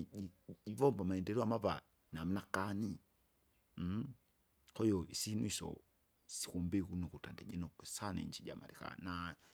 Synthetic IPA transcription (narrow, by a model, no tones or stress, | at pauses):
iivɔmbamaɛndɛɾiamaβa̰ | nam̩nakani | kɔiɔisinuisɔ̰ | si̥kumbikunukutandɛ̰ʄɛnɔkɛsanɛ̰ɲd͡ʒid͡ʒa̰ma̰ɾika̰na